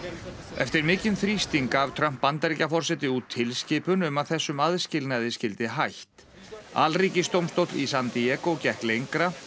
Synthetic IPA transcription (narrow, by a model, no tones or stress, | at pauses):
ɛft̪ɪɾmɪːcɪnθɾist̪iŋkavt̪ʰɾam̥pːant̪aɾiːcafɔr̥sɛt̪ɪut̪ʰːɪlscɪːpʏnʏmaðθɛsːʏmaðscɪlnaðɪscɪlt̪ɪɦajht̪ | a̰lriːcɪst̪owmst̪owt̪lḭsant̪iɛːkocɛhklejŋkɾa